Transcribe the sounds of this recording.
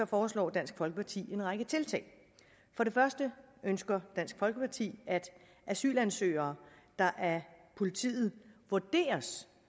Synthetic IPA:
ɒ̽fɒːslɒ̰ːd̥æn̰sɡ̥fɒ̽lɡ̥əpʰɑ̈t͡sʰḭːe̝nʁɑ̈ɡ̥ət͡sʰe̝lt͡sʰɛ̰ɪ | fɒ̽ɾe̝fɶɐsd̥əʔønsɡ̥ɐd̥æn̰sɡ̥fɒ̽lɡ̥əpʰɑ̈t͡sʰḭːæd̥ | ʔæsy̰ːlænsø̰ːɐːd̥ɑ̈ʔæɐpʰo̝lit͡sʰḭːð̩ˠʋuɐd̥e̝̰ːɐs

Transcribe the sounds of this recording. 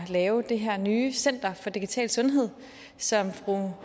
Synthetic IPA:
lɛːʊd̥e̝ɦæɐ̰nyːsen̰d̥ɐfɒ̽d̥iɡ̥it͡sʰɛ̰ːlsɔ̽nɦe̝ð̞̰ˠ | sɒ̽mfʁu

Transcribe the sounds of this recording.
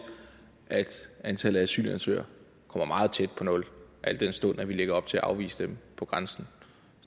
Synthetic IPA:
ʔæd̥ænt͡sʰæləæsy̰ːlænsø̰ːɐ | kʰɒ̽m̰ɐmɑ̈ːð̞̩ˠt͡sʰed̥̚pʰɒ̽nɔ̽lʔæl̰d̥ensd̥ɔ̽n̰æʋileɡ̥ɐɒ̽b̥t͡sʰe̝æʔɑ̈ʊʋḭːsəd̥empʰɒ̽ɡ̥ʁänsn̩

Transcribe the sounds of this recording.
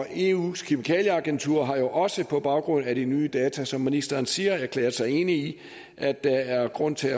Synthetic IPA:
e̝ṵːskʰimikʰɛ̰ːljəɑ̈ɡ̥ent͡sʰuɐ̰ɦɑ̈jo̝ʔɒ̽səpʰɒ̽b̥ɑ̈ʊɡ̥ʁɔ̽n̰æɾinyːd̥ɛːt͡sʰæsɒ̽mːinisd̥ɐːnsiːɐæɐkʰlḛːɐsɑ̈ɪe̝nəi | ʔæd̥ːɑ̈æɐɡ̥ʁɔ̽n̰t͡sʰe̝æ

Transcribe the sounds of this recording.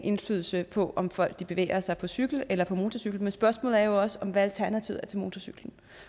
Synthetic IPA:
ʔe̝nfly̰ːð̞ˠl̩səpʰɒ̽ʔɒ̽mfɒ̽l̰ɡ̥̚d̥ib̥e̝ʋḛːɐsɑ̈ɪpʰɒ̽syɡ̥l̩elɐpʰɒ̽mo̝ːt͡sʰɒsyɡ̥l̩mensb̥ɶɐsmɔ̰ːlð̩ˠæɐjo̝ɒ̽səɒ̽mʋæælt͡sʰæɐnæt͡sʰiʊ̰æɐt͡sʰelmo̝ːt͡sʰɒsyɡ̥ln̩

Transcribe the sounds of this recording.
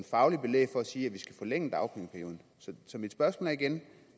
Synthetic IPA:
nfɑ̈ʊlib̥e̝lḛːfɒ̽æsiːæʋisɡ̥æfɒleŋ̰əd̥ɑ̈ʊpʰeŋpʰæɐjo̝ːð̩ˠsɒ̽sɒ̽mid̥sb̥ɶɐsmɔ̰ːlæɐiɡ̥en

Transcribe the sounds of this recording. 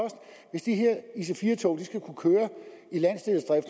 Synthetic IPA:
ɒ̽sd̥ | ʋe̝sd̥iɦeɐ̰is̬efiːɐt͡sʰɒʊd̥isɡ̥ækʰukʰøːɐilæn̰sd̥e̝ð̩ˠsd̥ʁɛfd̥

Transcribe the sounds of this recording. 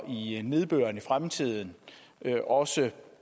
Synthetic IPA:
ʔine̝ð̞ˠb̥ø̰ːɐnifʁamt͡sʰið̞̰ˠn̩ | ʔɒ̽sə

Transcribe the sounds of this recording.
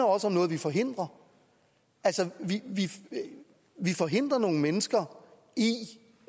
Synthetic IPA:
ɐɒ̽səɒ̽mnɔːð̞̩ˠʋifɒ̽ɦe̝n̰d̥ʁɐ | ælsəʋiʋi | ʋifɒ̽ɦe̝n̰d̥ʁɐno̝ːŋ̩menəsɡ̥ɐ | i

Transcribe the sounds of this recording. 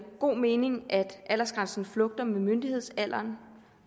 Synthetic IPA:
ɡ̥o̝̰ːme̝ːne̝ŋʔæd̥ʔæl̰ɐsɡ̥ʁänsn̩flɔ̽ɡ̥̚d̥ɐmemønd̥ihe̝ð̰ˠsæl̰ɐn

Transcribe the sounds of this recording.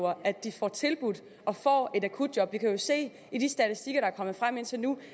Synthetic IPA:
ɐʔædd̥ifɒ̰ːt͡sʰe̝lb̥ud̥ˠ | ɒ̽fɒ̰ːe̝ɾækʰud̥̚jɒ̽b̥ʋikʰæjo̝se̝̰ː | id̥isd̥æt͡sʰisd̥iɡ̥ɐɾɑ̈æɐkʰɒ̽m̰ð̩ˠfʁam̰e̝n̰t͡sʰe̝lnu

